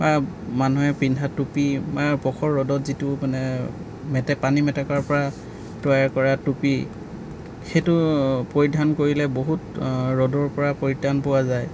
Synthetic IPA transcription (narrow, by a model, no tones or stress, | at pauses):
bamanuɦɛpɹindʱatupimapɔkʰɔɹːɔdɔtzitʊmanɛ | mɛtɛpanimɛtɛkaɹpɔɹa | tɔjaɹkɔɹatupi | xejtʊpoɹidʱankoɹilɛboɦutɹɔdɔɹpɔɹapoɹidʱanpɔwazaj